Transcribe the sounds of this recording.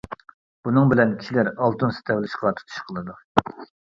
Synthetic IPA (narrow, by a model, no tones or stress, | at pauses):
b̥unɨŋbɪlɛnkʲʰi̥ʃilæɾɑlˠt̪unsɪ̥t̪ʰɛwlɪʃqʰɑt̪ʰu̥t̪ʰu̥ʃqʰəlˠɨd̪u